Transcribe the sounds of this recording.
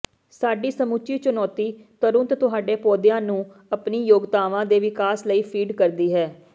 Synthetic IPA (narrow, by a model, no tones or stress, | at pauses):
saːɖiːsəmut͡ʃiːt͡ʃʊnɔːt̪iː | t̪əɾʊnt̪t̪ʊɦaːɖeːpɔːd̪ɪjãːnũː | əpniːjoːɡd̪aːʋãːd̪eːʋɪkaːsləiːpʰiːɖkəɾd̪iːɦɛː